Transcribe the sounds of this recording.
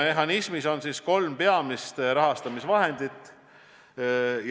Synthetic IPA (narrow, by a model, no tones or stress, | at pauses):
me̞ɦɑnismiso̞nsisko̞lmpe̞ɑmist̪ɾɑɦɑst̪ɑmisvɑɦe̞nd̪̥it̪ːˑ | j